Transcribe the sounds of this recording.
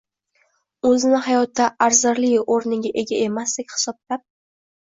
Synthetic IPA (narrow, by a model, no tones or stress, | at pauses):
ɵzɪnɪhajɒt̪ʰːaʔaɾzɪɾlɪjoɾnɪɡʲaʔe̞ɡʲae̞masd̪ekʲhɪ̥sɒb̚lap̚